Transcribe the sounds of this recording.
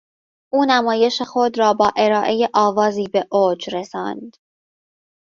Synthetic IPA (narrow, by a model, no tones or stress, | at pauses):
ʔuːnæmɒːje̞ʃexod̪ɾɒːbɒːʔe̞ɾɒːʔe̞jeʔɒːvɒːziːbe̞ʔoːd͡ʒɾesɒ̰ːnd̪̥